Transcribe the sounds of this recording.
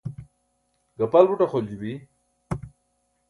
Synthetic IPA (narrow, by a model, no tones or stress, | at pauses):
ɡapalbuʈaxold͡ʑubi